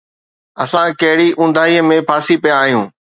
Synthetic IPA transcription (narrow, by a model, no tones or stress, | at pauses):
ɐsãkɐɦɪɽiʔũːnd̪ʱaːiəmẽpʰaːsipijãːɦijũː